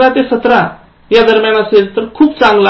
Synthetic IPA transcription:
lat̪esət̪ɾa | jad̪əɾmjanaseɾt̪əɾkʰuːpt͡sãŋɡla

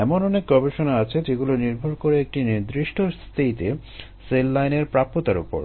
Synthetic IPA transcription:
ɛmonɔnek̚ɡɔbeʃonaat͡ɕʰed͡ʑeɡuloniɾbʱoɾkoɾeek̚ʈinid̪ɾiʃʈʰost̪ʰit̪e | selːajneɾpɾapːot̪aɾṵpo̰ɾ

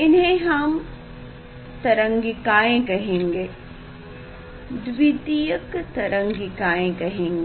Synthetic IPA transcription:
ɪnɦẽɦɐm | t̪ɐɾə̃ŋɡikaːẽkɐɦẽːŋɡeː | d̪ʋid̪ijəkt̪ɐɾə̃ŋɡɪkaːẽkɐɦẽːŋɡe

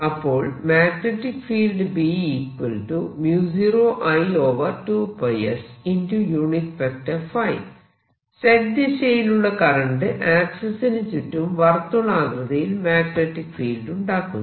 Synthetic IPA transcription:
ɐpːo̞ːɭmaːk̪neʈːikfiːlɖɨbiːipːɨlʈumjuːsiɾoːʔɐjoːʋɐrʈuːpɐjɐsindujuːɳit̪fɐk̚ʈɐfɐj | sɐɡ̚d̪isejiluɭːɐkɐɾɐɳɖɨʔaːksɐsinit͡ɕːutːumʋɐrt̪ːunaːɡɾɐðɐjilmaːkneʈːikfiːlɖuɳɖaːkːun

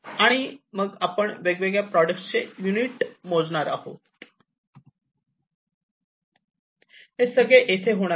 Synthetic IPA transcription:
aɽ̃iməɡapəɳʋeɡʋeɡɭjapɾɔɖəkʈt͡sejuniʈmod͡zɳaɾa̰ɦo | ɦesəɡɭeʔet̪ʰeɦoɽ̃a

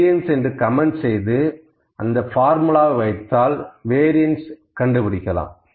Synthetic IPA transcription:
ɪɐnsɛndrɯkɐmɛnsɛjðɯ | ʔɐnd̪ɐfaːɾmɯlaːʋʋɐɪt̪ːaːlʋeːɾɪjɐnskɐɳɖɯpɪɽɪkːɐlã̰ːm

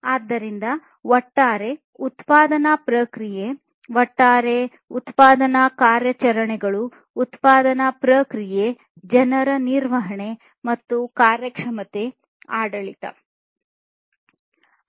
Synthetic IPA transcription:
aːd̪ːɐɾind̪ɐ | ʋɔʈːaːɾe̞ | ut̪paːd̪ɐnapɾɐkɾije | ʋɐʈːaːɾe | ut̪paːd̪ɐnakaːɾjɐt͡ʃɐɾɐɳɛɡɐɭuː | t̪paːd̪ɐnapɾɐkɾije | d͡ʒɐnɐɾɐniɾʋɐɦɐɳe̞ | mɐt̪ːukaːɾjɐkʂɐmɐt̪e̞ | aːɽɐɭit̪ɐ̰

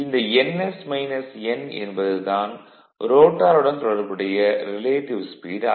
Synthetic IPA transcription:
ɪnd̪ɐɛnɛsmɐɪnɐsɛnɛ̰nbɐðɯt̪aːn | ɾoːʈːaːɾɯɽɐnt̪ɔɽɐɾpɐɽɐjɐɾɪleːʈɪʋspiːɾa

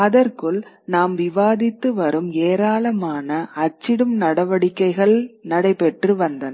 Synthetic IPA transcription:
ɐðɐrkɯɭ | naːmʋɪʋaːðɪt̪ːɯʋɐɾɯmeːɾaːɭɐmaːnɐːt͡ʃːɪɽɯmnɐɽɐʋɐɽɪkːɐɪɣɐɭnɐɽɐɪpɛʈrɯʋɐnd̪ɐnɐ

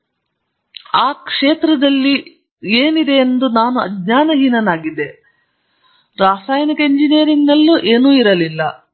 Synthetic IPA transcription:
aːkʂeːt̪ɾɐd̪ɐlːi | eːnid̪e̞ːnd̪unaːnuɐd̪ɲaːnɐɦinɐnaːɡid̪e̞ | ɾaːsaːjnikɐiɲd͡ʒineːɾiŋɡnɐlːuʔe̞ːnuːiɾɐlilːɐ

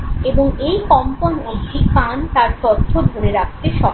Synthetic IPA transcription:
eboŋejkɔmponeɡʈipant̪aɾt̪ɔt̪ʰːod̪ʱoɾeɾak̚t̪eʃɔ

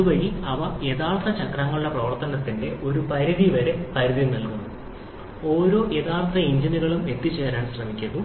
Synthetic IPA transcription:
ɐuʋɐɾiɐʋɐe̞ːðaːɭt̪ːɐt͡ɕɐkraːŋːɐɭuɭːɐprɐʋɐrt̪ːɐnɐt̪ːinde̞ʔo̞ɾupɐɾiðiʋɐɾepɐɾiðimnɐlkunːu | o̞ːɾo̞ːʔe̞ːðaːɭt̪ːɐiɲd͡ʑiniɣɐɭume̞t̪ːit͡ɕːe̞ːɾaːnɕrɐmikʲːɐðu

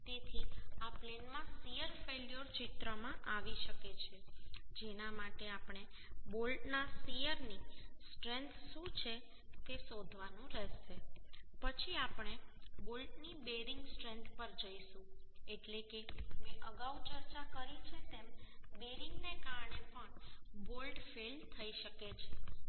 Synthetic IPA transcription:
t̪et̪ʰiaplenmãsijəɾfeljoɾt͡ʃit̪ɾəmãʔaʋiʃəket͡ʃʰed͡ʒenamaʈeapɳ̃ebolʈnasijəɾnisʈɾent̪ʰʃũt͡ʃʰe | t̪esod̪ʱʋanũɾɛʃepət͡ʃʰiapɳ̃ebolʈnibeɾɪŋɡsʈɾẽnt̪ʰpəɾd͡ʒəiʃũeʈlekeʋeʔəɡaut͡ʃəɾt͡ʃakəɾit͡ʃʰet̪embeɾɪŋɡnekaɾɳepəɳbolʈfelt̪ʰːəiʃəket͡ʃʰe

